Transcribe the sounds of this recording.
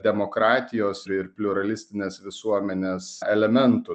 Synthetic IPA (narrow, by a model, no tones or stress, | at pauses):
d̪ʲɛmoːkɾɑːt̪ʲɪjoːsɪɾpʲlʲʊɾɐlʲɪsʲt̪ʲɪnʲeːsʋʲɪsuɔmʲɛnʲeːsɛlʲɛmʲɛnt̪ʊ